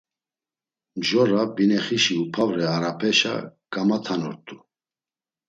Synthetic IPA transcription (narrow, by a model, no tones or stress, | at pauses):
mʒɔɾabinɛχiʃiupʰavɾɛaɾapʰɛʃa̰kʼamat̪ʰanɔɾt̪ʼu